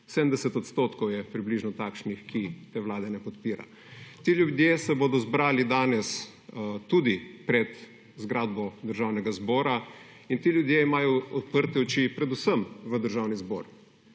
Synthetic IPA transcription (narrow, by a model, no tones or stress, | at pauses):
sɛd̪əm̩d̪ɛsɛt̪ɔt̪st̪oːt̪kɔwjɛpɾibliːʒnɔt̪aːkʃnixkʰit̪eːʋlaːd̪ɛnɛpɔt̪piːɾa̰ | t̪iljud̪jesɛbod̪ɔzbɾaːlid̪aːnɛs | t̪uːd̪ipɾɛt̪ | zɡɾaːd̪̚bɔd̪əɾʒaːwnɛɡazbɔːɾa | int̪eljud̪jeimaːjɔɔt̪pəɾt̪ɛɔt͡ʃipɾɛd̪usəmʋəd̪əɾʒaːwnizbɔːɾ